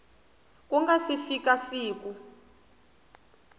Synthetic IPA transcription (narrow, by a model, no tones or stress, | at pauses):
k̬ʼuŋɡasifik̬asiːk̬u